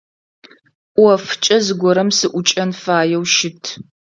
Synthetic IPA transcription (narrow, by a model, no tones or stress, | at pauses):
ʔʼʷwɐft͡ʃʼɐzɨɡʷɔɾɐmsɨʔʷʊt͡ʃʼɐnfaːjɛwʃɪtʰ